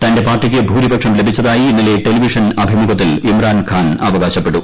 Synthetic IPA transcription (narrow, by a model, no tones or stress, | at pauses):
t̪ɐnde̞paːrʈːik̬ʲːebʱuːɾibɐkʂɐmle̞bʱit͡ɕːɐðaːjiːnːileʈe̞liʋiʂɐnɐbʱimuɡɐt̪ːilimraːnkʰaːnɐ̰ʋɐɡɣaːɕɐpːe̞ɽu